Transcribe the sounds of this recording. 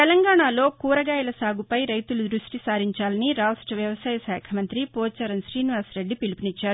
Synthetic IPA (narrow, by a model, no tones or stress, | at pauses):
t̪ɛlɐŋɡaːɳaːlo̞ːkuːɾɐɡaːjɐlɐsaːɡupɐjɾɐjt̪ulud̪ɾuʂʈisaːɾiɲt͡ʃaːlɐniɾaːsʈɐʋjɐʋɐsaːjɐsɛːkʰɐmɐnt̪ɾipɔːt͡ʃɐɾɐnsɾiːniʋaːsɾe̞ɖːipilipinit͡ʃːaːɾu